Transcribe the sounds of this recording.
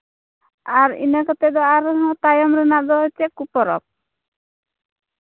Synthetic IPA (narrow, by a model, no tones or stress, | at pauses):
aɾḭnekɔt̪ɛd̪ɔaɾɦɔ̃t̪ajɔmɾenad̪ɔɦɔt͡ʃʰekupɔɾɔ̰p̚